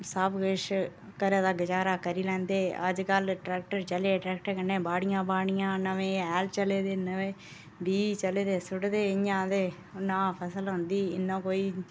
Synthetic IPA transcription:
saːbɡeʂkɐɾɐðaːɡɪd͡ʒaːɾaːkɐɾilɛ̃ːnd̪eːɐ̰d͡ʒkaːlʈɾɛːk̚ʈəɾt͡ʃɐleːʈɾɛːk̚ʈəɾkɐɳːẽːbaːɽɪjãːbaːɽɪjãːnːɐʋẽːɛːlt͡ʃɐleːd̪eːnːɐʋẽː | ɖiːt͡ʃɐleːd̪eːsʊɽd̪eːɪɲãːd̪eː | nːãːpʰɐsəlʋɐnd̪iːɪnːãːkoːiː

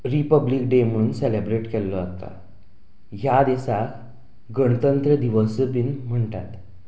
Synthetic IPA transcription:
ɾipəblikɖem̤əɽ̃uːnsɛlebɾeʈkɛlːɔat̪a̰ | jad̪isa | ɡəɳ̃ət̪ənt̪ɾəd̪iʋəsəpinm̤əɳʈat̪

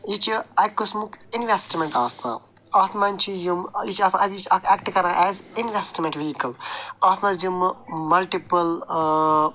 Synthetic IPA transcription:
jit͡ʃiɐjkusmukinʋesʈmẽɳʈaːsã̰ː | aːt̪ʰmãnt͡ʃʰijumjit͡ʃaːsãɐit͡ʃɐkʰɛkʈkɐɾãʔɛːzinʋesʈmẽɳʈʋiɦikɐlaːt̪ʰmãjummɐlʈipəl

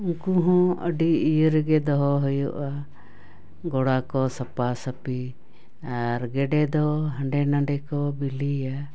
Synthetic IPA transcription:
ũŋkuɦɔ̃ə̰ɖiijəɾɡɛd̪ɔɦɔɦɔjɔʔa | ɡɔɽakɔsəpasəpi | aɾɡɛɖɛd̪ɔɦəɳɖɛnaɳɖɛkɔbilija

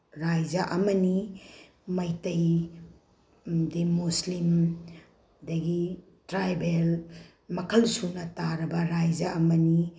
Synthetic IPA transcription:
ɾajd͡ʒaʔɐmɐni | mɐjtɐj | dimuslim | dɐɡi | tɾajbel | mɐkʰɐlsunɐtaɾɐbɐɾajd͡ʒaɐmɐni

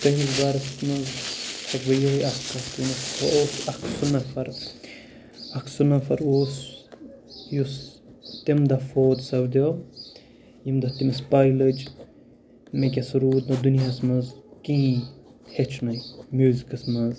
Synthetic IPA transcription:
k̪ɐɦizbaɾɐst̪mɐzt̪ʰɐkbɐjoːjɐkːɐst̪inɐst̪ʰɐoːsɐkʰsunɐfɐɾ | ɐkʰsunɐfɐɾoːs | jus | t̪imd̪ɐfoːd̪sɐbd̪ʲoː | jimd̪ɐt̪imɐspaːjlɐd͡ʒ | mekʲesuɾuːd̪nɐd̪unijasmɐzkĩĩhet͡ʃʰnɐjmʲuːzikɐsmɐz

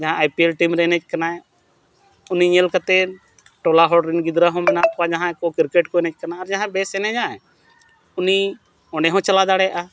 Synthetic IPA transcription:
d͡ʒəɦãajpielʈimɾeːnet͡ʃkɐnã | ʊniɲelkət̪e | ʈolaɦɔɖɾɪnɡɪd̪ɾaɦɔ̃mɛnakad͡ʒɐɦãkokɪɾkeʈkonet͡ʃkɐnaaɾd͡ʒɐɦãbesenɛ̃d͡ʒãɛ̃ | ʊni | ɔ̃ɳɖeɦõt͡ʃɐlad̪aːɽɛʔa

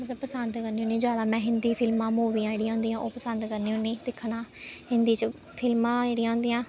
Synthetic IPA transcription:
mət̪ləbpəsənd̪kəɾniːõːneːd͡ʒjaːd̪aːmɛ̃ːɦɪnd̪iːpʰɪlmãːmoːʋiːãːeːɽiːãːɦʊ̃nd̪iːjãːʔoːpəsə̃nd̪kəɾneiːɦʊ̃nːẽːd̪ɪkʰːnãːhɪnd̪iːt͡ʃə | pʰɪlmãːd͡ʒeːɽijãːɦʊ̃nd̪iːãː

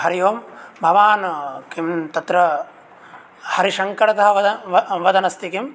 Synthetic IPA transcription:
hɐɾijoːmbʱɐʋaːnkimt̪ɐt̪ɾɐ | hɐɾiʃɐŋkɐɽɐt̪ɐɦɐʋɐʋɐd̪ɐnɐst̪ikim

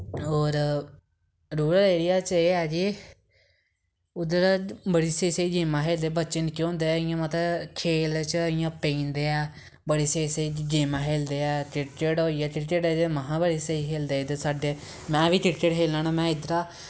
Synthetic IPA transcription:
ɦoːɾ | ɾuːɾəleːɾɪjaːt͡ʃeːɛːd͡ʒiː | ʊd̪əɾabəɽiːsəiːsəiːd͡ʒeːmãːɦeːld̪eːbətːʃənkːõːnd̪eːɛɪjãːmət̪kʰeːlt͡ʃəɪjãːpẽĩːnd̪eːɛː | bəɽeːseseiːd͡ʒeːmãːɦeːld̪eːɛːʈɪʈt͡ʃeːɽoːiːɛːʈɪʈt͡ʃeːɖed̪eməɦãːbəɽiːsəiːɦeːld̪eːɪd̪əsaːɖeː | mɛ̃ːʋiːʈɪʈt͡ʃeːɽɦeːlãːnãːmɛ̃ːɪd̪əɾaː

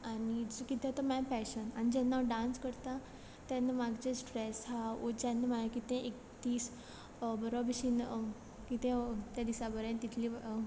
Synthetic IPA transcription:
anid͡zukit̪ɛt̪əmãpɛɕənañid͡ʑɛnːaɖãnskəɾt̪a | t̪janːamaɡd͡ʑesʈɾɛsɦaod͡ʑanːəmajakit̪ɛ̃ʔek | t̪iːs | bəɾobʱiɕiːn | kit̪ɛ̃t̪jad̪isabəɾɛ̃nt̪it̪ʰli

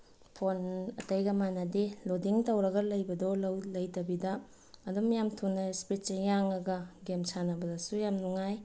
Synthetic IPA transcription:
pʰonɐtɐjɡɐmanɐdilodiŋtɐwɾɐɡɐlɐjbɐdolɐwlɐjtɐbidɐ | ɐdumjamtʰunːɐspɾit̚t͡ʃejaŋɐɡɐɡemsʰanɐbɐdɐsujamnuŋaj

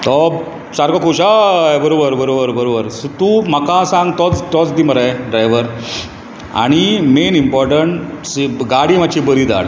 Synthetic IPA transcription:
t̪ɔb | t͡ɕaɾkɔkuɕajbəɾobəɾbəɾobəɾbəɾobəɾsut̪umakasãŋɡt̪ɔt͡st̪ɔt͡sd̪iːməɾajɖɾajʋəɾ | a̰ɽ̃imenimpɔɾʈəɳsɡaɽiːmat͡ɕibəɾiːd̪a̰ɽ

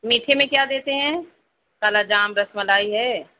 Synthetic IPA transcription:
miːʈʰemẽkjaːd̪eːt̪eɦɛ̃ː | kaːlad͡ʒaːmɾɐsməlaːiɦɛː

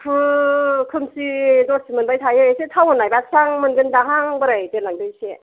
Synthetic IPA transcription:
pʰɯkʰɯmsidɔɾsimɯnbajtʰajeesetʰawɯnajbasʰaŋmɯnɡɯndaɦaŋbɯɾajdelaŋdɯjse

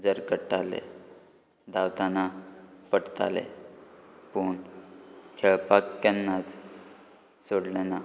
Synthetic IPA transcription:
d͡zəɾkəʈalḛ | d̪awt̪anapəɽt̪a̰lḛ | puːɳ | kʰɛɭpakːənːat͡s | soɽlena

